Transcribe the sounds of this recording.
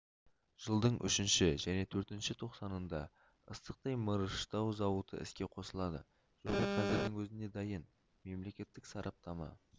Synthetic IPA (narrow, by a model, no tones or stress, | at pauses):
ʒ̥əlˠd̪əɴʔʏ̰ʃɪnʃɪʒæne̞t̪ʰɵɾt̪ɪnʃɪt̪ʰo̞qsɑnənd̪ɑ | ə̰st̪əq̚t̪ɑjməɾəʃt̪ɑwzɑwət̪ə̰ɪ̰skʲe̞qʰo̞səlˠɑd̪ə̰ | ʒ̥oʁəqʰɑzɪɾd̪ɪŋwʰɵzɪne̞d̪ɑjən | me̞mle̞kʲe̞t̪ːɪksɑɾʔɑp̚t̪ɑmɑ̰